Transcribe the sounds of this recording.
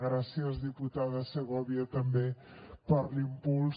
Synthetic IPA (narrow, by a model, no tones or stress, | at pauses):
ɣɾasiəzðiput̪aðəsəɣɔβiət̪əmbepəɾlimpul